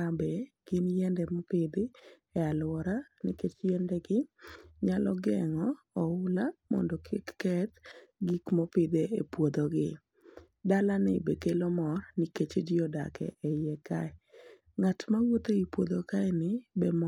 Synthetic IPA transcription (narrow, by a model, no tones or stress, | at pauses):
abɛɡ̥ɪnjɛndɛmɔpɪd̪ɪ | ɛalwɔɾa | nɪket͡ʃjɛndɛɡɪɲalɔɡɛŋɔː | ʊlamɔ̰ndɔkʰɪkːɛt̪ɡikmopɪd̪eepwod̪oɡɪ | dalanɪ̰bekelomɔrnɪket͡ʃedɪoda̰kɛ̰ɛjɛkaɛ | ŋatmawot̪eipwod̪okaɛnɪbɛm